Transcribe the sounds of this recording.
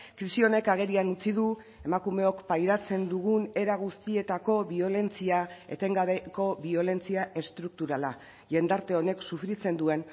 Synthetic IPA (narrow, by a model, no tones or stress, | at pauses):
kɾisio̞ne̞kaɣ̞e̞ɾianut͡siðu | e̞makume̞o̞kpajɾat͡se̞nd̪uɣ̞une̞ɾaɣ̞ust̪ie̞t̪ako̞βio̞le̞nt͡siae̞̰t̪e̞ŋɡaβe̞ko̞βio̞le̞nt͡siaʔe̞st̪ɾuk̚t̪uɾala | ʝe̞nd̪aɾt̪e̞o̞ne̞ksufɾit͡se̞nd̪ue̞n